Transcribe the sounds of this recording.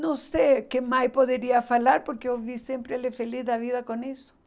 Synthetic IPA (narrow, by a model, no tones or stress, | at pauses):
nõw̃sekemajspoðeɾiɐfalaɾpoɾkɪewvisẽmpɾɪelefeliθðɐβiðɐkõnisʊ̥